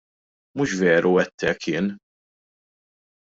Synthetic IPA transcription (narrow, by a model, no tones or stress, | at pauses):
muʃvɛːɾuɛt̪ːɛkʰɪːn